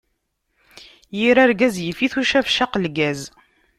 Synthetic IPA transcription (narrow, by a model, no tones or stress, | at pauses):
jiɾæɾɡæzjəfiθuʃævʃaqlɡæz